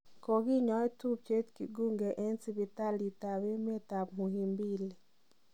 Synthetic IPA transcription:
ko˨ɡi˦ɲɔ˦ɛ˦tu˦p̚t͡ʃe˦tkḭ˨ɡu˦ŋɡe˨ʔe˦nsi˦bi˨ta˦li˨ta˨we˦m˦e˦ta˨pmu˨hi˨mbi˦˨le˨

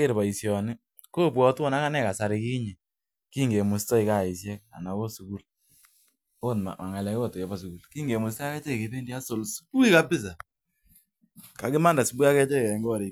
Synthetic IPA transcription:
kɪ˦ɾba˨i˨sjɔ˨nɪ˦ | ko˦pwɔ˨tɔ˦na˦ka˦nɛ˦˨ka˨sa˨ɾɪ˨ki˦ɲi˨ | ki˦ŋɡe˨mʊ˨stɔ˦i˨ka˦˨i˨sjɛ˦k̚a̰˨na˨ko˦su˨ku˦l | o˦tm̰˨ma˨ŋɛ˨lɛ˨ko˦to˨jɔ˨ba˦s̬u˨ku˨lki˦ŋɡe˨mʊ˨sta˦kɛ˦t͡ʃɛ˦˨ke˨˦be˦ndi˦a˦so˨lsu˦ku˦i˦ka˦pɪ˦s̬a˨ | ka˨kɪ˦ma˦nda˨su˨˦bu˦a˦kɛ˦t͡ʃɛ˦kɛ˨˦ŋɡɔ˦ɾi˨k

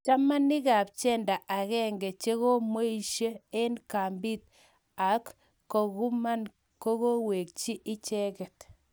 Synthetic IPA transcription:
t͡ʃa˦ma˦nːɪ˦ka˨p̚t͡ʃɛ˦nda˨ʔa˨kɛ˦ŋɡɛ˨t͡ʃe˦ɣo˦mo˦i˨ʃe˦e˦nka˨mbi˦t̪̚ | a˨kː | o˨ɣu˦ma˦n | ko˦ko˦we˨k̚t͡ʃi˦ʔɪ˦t͡ʃɛ˦kɛ˨t

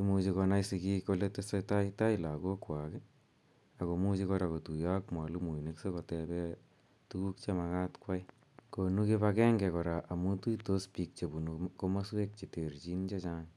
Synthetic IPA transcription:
imut͡ʃi˧kɔ˧na˦isi˧ki˦ko˧le˦tesotaita˦ila˨ko˦kwa˨kɛ | a˨ko˨mu˦t͡ʃikɔ˧ɾa˨ko˨tu˨ja˦kmwa˨lumu˨inekse˦ko˨tɛbɛ | tu˦ku˦k̚t͡ʃe˧ma˧ka˦tkwaj | ko˨nu˦kepakɛː˦ŋɡɛ˨kɔ˨ɾa˨ʔa˨mu˦tu˦ito˦spi˧k̚t͡ʃe˨bu˨nuko˦ma˦swe˦k̚t͡ʃe˨te˨rt͡ʃi˦nt͡ʃe˦t͡ʃaŋ

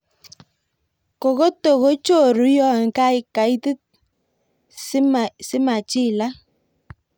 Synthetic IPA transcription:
ko˨ko˦to˨ɣo˦t͡ʃo˦˨ɾu˨˦jɔ˦˨ŋ̩˨ka˦i˦ka˨i˦ti˦t̚ | sɪ˦ma˨t͡ʃi˦˨la˦

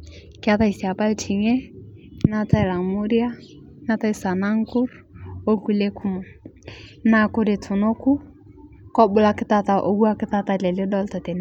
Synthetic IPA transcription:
ki˦a˦ta˦i˨si˨a˨pa˦lt͡ʃʰi˨ŋɛ˦na˦ta˦i˨la˨ŋmu˦ɾi˦a˦ | na˦ta˦i˦sa˨na˦ŋ˦ku˦ɾ | o˦ku˦le˦kʰu˦mɔ˨ | na˦kʊ˦ɾi˨tʰu˨no˦ku˦ | kɔ˦bʊ˦la˦kɪ˦ta˦ta˨ʔo˨ɡu˦a˦kɪ˦ta˦ta˨lɛ˨li˦dɔ˦ltɔ˨tɛ˨n˨

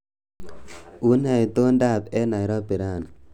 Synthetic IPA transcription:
u˦na˨jt̪o˦nda˦˨pɛ˦na˨jɾɔ˦pi˨ɾa˦˨n

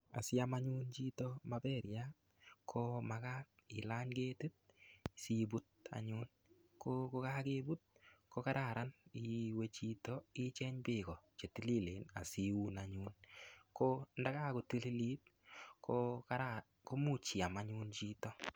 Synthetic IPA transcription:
a̰˨sɪ˦a˦ma˦ɲu˦nt͡ʃi˦tɔ˦mabɛ˦˨ɾja˦ | kʰo˦maka˦tɪ̰˨la˦ɲke˦ti˦t̚si˦bu˦t̚a̰˨ɲuː˦n | kʰoko˧ka˦ke˦bu˦t̚kʰo˦ka˦ɾa˨ɾa˦ni˨we˦t͡ʃi˧tɔ˦ɪ˦t͡ʃɛ˦ɲbɪkɔ˨t͡ʃe˨ti˦li˦le˨na̰˨si˦u˦na˨ɲu˦nkonda˦kaː˦ko˧ti˦li˦li˦t̚ | kʰokaɾa | ko˦mu˨t͡ʃi˨a˨maɲu˦nt͡ʃiː˦tɔ˦

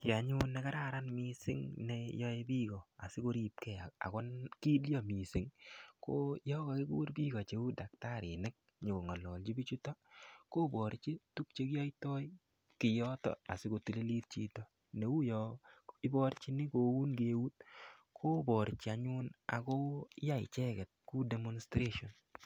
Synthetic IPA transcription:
ki˨a˨ɲu˦nːe˦ka˦ɾa˦ɾa˦nmi˦sɪ̰˦ŋnejɔ˦e˦bi˦kɔ˨a˨si˦ko˦ɾi˨p̚kɛ˨a˨a̰˨kɔ˦nki˦ljɔ˦mi˨sɪ˨ŋko˦jɔ˦ka˨ki˦kṵ˦ɾbi˦kɔ˨t͡ʃe˨˦u˦da˨k̚ta˦ɾi˨nɪ˦k̚ | ɲo˨ko˨ŋa˨lɔ˨lt͡ʃi˦bi˦t͡ʃu˦tɔ˦ko˦bɔ˨ɾt͡ʃi˦tu˦k̚t͡ʃe˦ka˦i˦tɔ˦j | kɪ˨jɔ˦tɔ̰˨a̰˨sɪ˦ko˨ti˨le˦li˦t̚t͡ʃi˨to˨ | ne˨u˦jɔɪ˦bɔ˦ɾt͡ʃi˦ni˦ko˨u˦nɡe˨wu˦t̚kʰo˦bɔ˨ɾt͡ʃi˨a˨ɲu˦na̰˨ko˦ja˦ḭ˨t͡ʃɛ˦kɛ˨t̚ku˦de˨mo˦nstɾe˦ʃɔ˨n

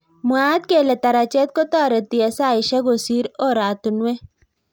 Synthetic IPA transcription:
muaː˦d̪̚keː˦˨le˨t̪ɐɾat͡ʃe˦t̪̚ko˦t̪aː˦˨ɾɐ˨t̪iɐsaː˦iʃɐ˦ɡosiː˦ɾoː˦˨ɾaː˨t̪unwe˦

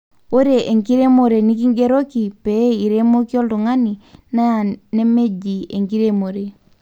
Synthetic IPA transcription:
o˦ɾe˨ʔe˨ŋki˦ɾe˦mo˨ɾe˨ni˦k̬i˦ŋɡe˦ɾo˦ki˨pe˨˦i˨ɾe˦mo˦ki˦ɔ˦ldu˨ŋa˦ni˨na˦ja˨ne˦me˦d͡ʒi˨e˨ŋki˦ɾe˦mo˨ɾe˨

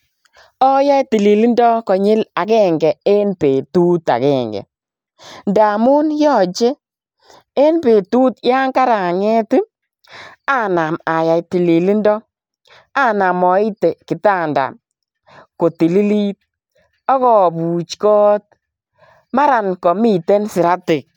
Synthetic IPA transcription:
ɔ˦ja˦ti˨li˨li˦ndɔ˦kɔ˨ɲɪ˦la˨kɛ˦ŋɡɛ˨e˦npe˨tu˦ta̰˨kɛ˦˨ŋɡɛ̰˨ | nda˨mʊ˦njɔ˦˨t͡ʃe˦ | e˦npe˨tu˦tja˦ŋka˦ɾa˨ŋɛ˦ti˦ | a˦na˨ma˨ja˨jti˨li˨li˦ndɔ˦ | a˦na˨mɔ˨˦ɪ˦te˨kɪ˨ta˦˨nda̰˨ | ko˨ti˨li˦li˦t̚ | ɔ˦kɔ˨bu˨t͡ʃkɔː˦t̚ | ma˦ɾa˨nkɔ˨mi˦˨te˦nsɪ˨ɾa˦tɪ˨k̚

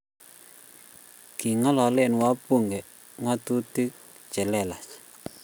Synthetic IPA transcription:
ki˨ŋa˦lɔ˨lɛ˦˨n˨wa˦pu˦˨ŋɡɛ˨ | ŋa˦t̪u˦ti˦k̚ | t͡ʃɛ˨lɛ˦˨la˨s

